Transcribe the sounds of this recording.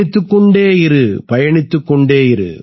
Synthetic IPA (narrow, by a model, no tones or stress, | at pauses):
ɪt̪ːɯkːɔɳɖeːɪɾɯpɐjɐɳɪt̪ːɯkːɔɳɖeːjɪɾɯ̰